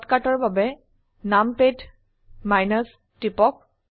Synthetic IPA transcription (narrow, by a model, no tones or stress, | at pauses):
tkatɔɹbabɛ | nampet | majnɔs | tipɔk̚